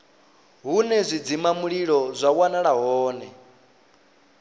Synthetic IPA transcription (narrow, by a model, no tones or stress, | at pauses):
ɦunɛzʷid͡zimamuɺiɺɔzʷawanaɺaɦɔːnɛ